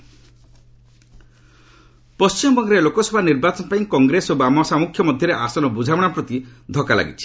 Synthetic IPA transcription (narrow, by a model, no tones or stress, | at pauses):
pɔst͡ʃimɔbɔŋɡɔɾelokɔsʰɔbʱaniɾbat͡ʃɔnɔpaĩkɔŋɡɾesobamɔsamukʰːjɔmɔd̪ʱjɔɾeʔasɔnɔbud͡ʒʱawɔɽ̃apɾɔt̪id̪ʱɔkala̰ɡḭt͡ʃʰi̥